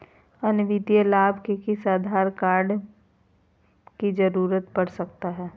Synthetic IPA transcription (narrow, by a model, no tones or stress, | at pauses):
ɐnʋɪd̪ijəlaːbʱkekisaːd̪ʱaːɾkaːɾɖ | kid͡ʒəɾuːɾət̪pɐɽsɐk̚t̪aɦɛː